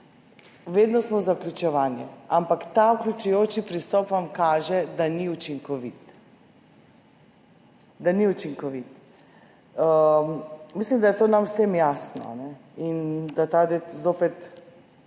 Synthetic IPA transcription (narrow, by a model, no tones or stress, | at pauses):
ʋeːd̪nɔsmɔzaklʲut͡ʃɛʋaːnjɛampakt̪auklʲut͡ʃujoːt͡ʃipɾist̪ɔpʋamkaːʒɛd̪aniut͡ʃiŋkɔʋit̪ | d̪aniut͡ʃiŋkɔʋit̪ | mislimd̪ajɛt̪oːnamwsemjasnɔ̰a̰nɛind̪at̪ad̪ezoːpɛt̪